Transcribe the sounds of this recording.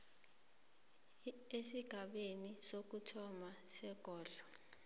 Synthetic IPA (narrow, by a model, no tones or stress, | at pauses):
esiɡ̥ʱaɓenisok̬utʰɔmasɛɡ̥ʱɔːɮɔ